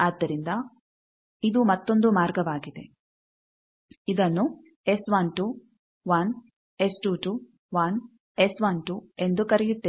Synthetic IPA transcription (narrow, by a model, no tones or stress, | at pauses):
aːd̪ːɐɾind̪ɐ | id̪umɐt̪ːo̞nd̪umaːɾɡɐʋaːɡid̪e | id̪ɐnːu | e̞sʋɐnʈu | ʋɐn | e̞sʈuːʈu | ʋɐn | esʋɐnʈue̞nd̪ukɐɾɛjut̪ːe